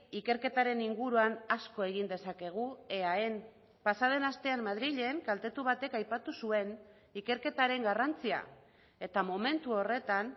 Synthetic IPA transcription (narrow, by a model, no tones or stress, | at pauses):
ike̞ɾke̞t̪aɾe̞niŋɡuɾuanasko̞e̞ɣ̞ind̪e̞sake̞ɣ̞ue̞ae̞n | pasað̞e̞nast̪e̞ammːaðɾiʎeŋkalt̪e̞t̪uβ̞at̪e̞kajpat̪usue̞n | ike̞ɾke̞t̪aɾe̞ŋɡarant͡sia̰ | e̞t̪amo̞me̞nt̪uo̞re̞t̪an